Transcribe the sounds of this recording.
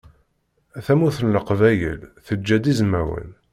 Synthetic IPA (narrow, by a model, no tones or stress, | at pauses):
æθæmuθənləqvæjə̰lθəd͡ʒːæd̪izmæwə̰n